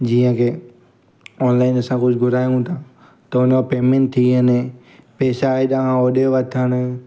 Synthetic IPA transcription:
d͡ʑiːə̃kʰeː | ɔːnlaːɪnɐsãkʊd͡ʑʱʊɡʱʊɾaːjũt̪ʰã | t̪ɐʊnopeːmẽɳʈ̚t̪ʰːiɦəne | peːsaːiɗãɦãoːɗoʋɐt̪ʰəɽ̃ʊ

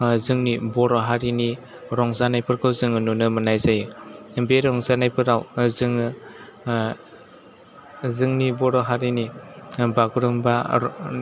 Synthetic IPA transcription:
zɯŋnibɔɾɔɦaɾini | ɾɔŋzanajpʰɯɾkʰɯwzɯŋɯnunɯmɯnajzajɯbeɾɔŋzanajpʰɯɾawzɯŋ | zɯŋnibɔɾɔɦaɾinibaɡuɾɯmba

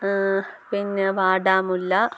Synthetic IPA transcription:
pinːeʋaːɖaːmulːɐ

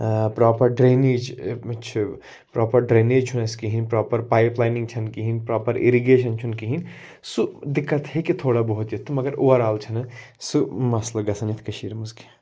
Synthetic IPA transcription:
pɾaːpɐɾɖɾeːneːd͡ʒt͡ʃʰi | pɾʔɔːpɐɾɖɾeːneːd͡ʒt͡ʃʰunɐskiɦinpɾɔːpɐɾpaːjplaːnĩŋɡt͡ʃʰɐnkiɦinpɾaːpɐɾḭɾiɡeːʃ̬ɐnt͡ʃʰunkiɦin | sud̪ɪkːɐt̪ɦekit̪ʰoːɽabɔɦut̪jɐt̪ʰːumɐɡɐɾoʋɐɾaːlt͡ʃʰɐnɐsumɐslɐɡɐsɐnit̪ʰkɐʃiːɾmuzki̥

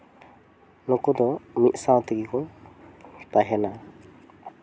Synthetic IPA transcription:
nukud̪ɔmit̪̚ˀsawt̪iɡikɔŋ | paɦɛna

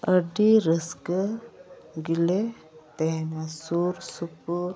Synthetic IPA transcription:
əɖiɾəskə | ɡile | t̪ɛɦnasuɾsupuɾ

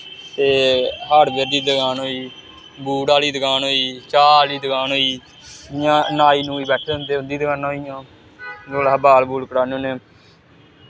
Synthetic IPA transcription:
t̪eːɦaɽbeɾd̪iːd̪əɡaːnɦoːiː | buːɽaːliːd̪əɡaːnɦoːiːt͡ʃaːaliːd̪əɡaːnɦoːiː | ɪjãːnaːiːnũːiːbɛːʈʰeːɦʊnd̪eːʊ̃nd̪iːd̪əɡaːnãːɦoijãː | ɡoːləbaːlbuːlkəɽaːnõːneː

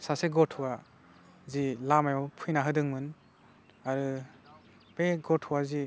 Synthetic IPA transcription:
saseɡɔtʰuwa | zilamajɔpʰujnaɦɯdɯŋmɯn | aɾɯ | peɡɔtʰhuwazi

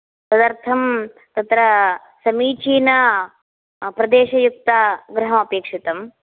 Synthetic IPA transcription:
sɐd̪ɐɾt̪ʰɐm | t̪ɐt̪ɾɐ | sɐmiːt͡ʃiːnɐ | pɾɐd̪eːʃɐjuk̚t̪aɡɾɐɦɐmɐpeːkʂit̪ɐm

